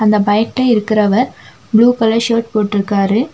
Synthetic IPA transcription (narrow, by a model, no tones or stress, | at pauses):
ɐnd̪ɐbɐjɐkːɐɪɾɯkːɪɾɐʋɐɾ | bɭuːkɐlɐʃoːʈ̚poːʈːɪɾɯkːaːɾɯ